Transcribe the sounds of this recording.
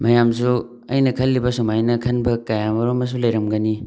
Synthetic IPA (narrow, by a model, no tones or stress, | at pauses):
mɐjamsu | ɐjnɐkʰɐlːibɐsomajnɐkʰɐnbɐkajamɐɾomɐs̬ulɐjɾɐmɡɐni